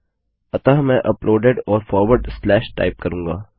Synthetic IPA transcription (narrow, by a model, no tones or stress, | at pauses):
ɐt̪amɛ̃ʔɐplʔoːɖeɖɔːɾfɔːɾʋəɾɖslɛːʃʈa̰ːɪp̚kɐɾũːŋɡa̰ː